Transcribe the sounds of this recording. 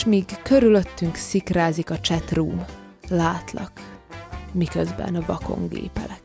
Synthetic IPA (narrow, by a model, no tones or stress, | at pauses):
ʃmiːɡkø̞ɾylø̞t̪ːyŋksikraːzikɒt͡ʃɛt̪ruːm | laːt̪lɒk | mikøzbɛ̰nvɒko̞̰ŋɡḛːpɛ̰lɛk̚